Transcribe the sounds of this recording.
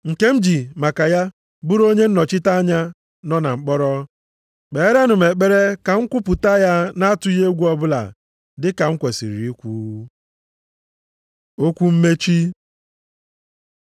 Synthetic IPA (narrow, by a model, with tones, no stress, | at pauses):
ŋ̩˨ke˦m̩˦d͡ʒi˨ma˨ka˨ja˦ | bʊ˦ɾo˦ɲe˦n̩˦nɔ˨t͡ʃɪ˦ta˦a˦ɲa˦ | nɔ˦na˨ŋ͡m̩˨k͡pɔ˦ɾɔ˦ | k͡pe˨˦ɾe˦nʊ˨m̩e˨k͡pe˦ɾe˦ka˨ŋ̩˦kʷʊ˦pʊ˨ta˦ja˦na˦tʊ˦i˦ɦe˦ɡʷu˦ɔ˦bʊ˦la̰˨ | dɪ˦ka˨ŋ̩˦kʷe˨sḭ˨ɾi˨i˦kʷu˦ | o˦kʷu˦m̩˦me˦t͡ʃi˦